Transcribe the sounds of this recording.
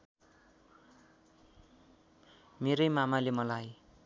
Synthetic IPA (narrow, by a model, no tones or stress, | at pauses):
meɾʌjmamalemʌlaj